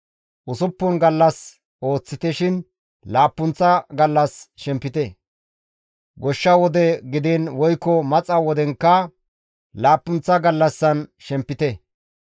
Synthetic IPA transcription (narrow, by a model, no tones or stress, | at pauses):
ʔʊsʊpːɔnɡɐlːɐs | ʔo̞ːt͡sːɪt̪ɛʃɪn | laːpːʊnt͡sːɐɡɐlːɐsʃɛmpːɪt̪ɛ | ɡɔʃːɐwɔd̪ɛɡɪd̪ɛnwɔjkːɔmɐt͡sʼɐwɔd̪ɛŋkːɐ | laːpːʊnt͡sːɐɡɐlːɐsːɐnʃɛmpːɪt̪ɛ